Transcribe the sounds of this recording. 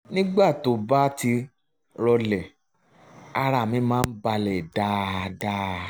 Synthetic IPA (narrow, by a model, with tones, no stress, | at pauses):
nĩ˦ɡ͡ba˦˨to˨ba˦ti˧ | ɾɔ˧lɛ˨ | a˧ɾa˨mĩ˨˧˦mãː˦˧˦n̩˦ba˧lɛ˨da˦da˦